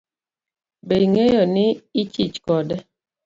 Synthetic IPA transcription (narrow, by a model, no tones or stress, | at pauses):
beiŋejɔnɪːt͡ʃit͡ʃkɔdɛ